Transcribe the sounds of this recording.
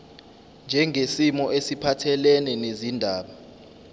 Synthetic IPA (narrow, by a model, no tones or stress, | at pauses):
nd͡ʒʱɛŋʱesimɔʔesipʰatʰɛlɛnɛnezindʱaːɓa